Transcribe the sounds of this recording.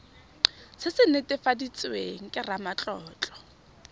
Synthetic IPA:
sɪsɪnetʼɪfadit͡sʼweŋ̩kʼɪramat͡ɬʼɔːt͡ɬʼɔ̥

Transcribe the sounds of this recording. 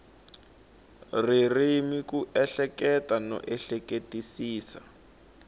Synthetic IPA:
ririmikuʔɛɬɛkɛtanɔ̰ʔɛɬɛketisiːsa̰

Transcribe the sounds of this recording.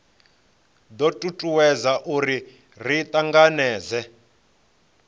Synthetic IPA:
d̪ɔtʼutʼuwɛzaʔuɾi | r̤it̪ʼaŋɡanɛːzɛ

